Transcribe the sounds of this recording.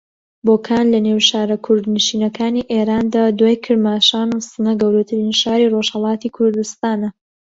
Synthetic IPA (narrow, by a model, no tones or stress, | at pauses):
boːkʰaːnlɐnewʃaːɾɐkʰʊɾd̪nɨʃiːnɐkʰaːniːʔeːɾaːnd̪aːd̪waːjkʰɨɾd̪maːʃaːnusɨnɐɡɐwɾut̪ʰɨɾinʃaːɾiːroʒhɑlˠɑːt̪ikʰʊɾd̪ust̪aːnɐ